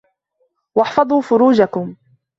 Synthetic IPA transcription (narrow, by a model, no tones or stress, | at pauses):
wɑħfɑd̪ˤuːfʊɾuːd͡ʒakʊm